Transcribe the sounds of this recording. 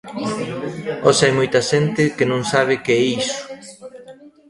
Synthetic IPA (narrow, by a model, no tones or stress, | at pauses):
osajmojt̪ɐʃent̪ɪkɪnõŋsaβ̞ɪkeisʊ̥